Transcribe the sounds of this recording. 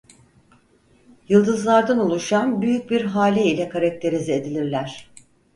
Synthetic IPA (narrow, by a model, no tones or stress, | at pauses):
jɯlˠd̪ɯzlˠaɾd̪anolˠuʃanbyjyc̚biɾɦaːlʲɛilʲɛkʰaɾak̚t̪ʰe̞ɾized̪ilʲiɾlʲæɾ̝̥